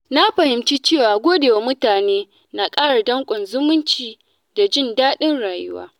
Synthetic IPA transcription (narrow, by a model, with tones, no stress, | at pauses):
na˦ɸɐ˨hɪ˨mt͡ʃiː˦t͡ʃeː˦˨waː˨ɡʷoː˦de˨ja˨mʊ˦taː˨neː˦ | na˨kʼaː˦ɽa˨dɐ˦ŋkʷʼɔ˨nzʊ˦mʊ˦nt͡ʃiː˨ | da˨d͡ʒɪ˦˨ndaː˦ɗɪ˦nɽaː˨jʊ̰˦wa̰ː˦